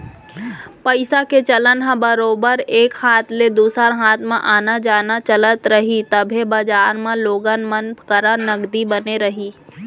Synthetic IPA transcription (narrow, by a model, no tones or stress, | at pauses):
pəɪsaket͡ʃələnɦə̃bəɾoːbəɾeːkhaːt̪ʰled̪uːsəɾɦaːt̪mẽʔaːnad͡ʒaːnat͡ʃələt̪ɾəɦit̪əbʱebɐd͡ʒaːɾmẽloːɡənmənkəɾənɐɡd̪ibɐneɾɐɦiː